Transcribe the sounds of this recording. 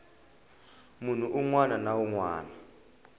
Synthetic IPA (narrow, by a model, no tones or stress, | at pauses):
mun̤uʔuŋwananauŋwaːna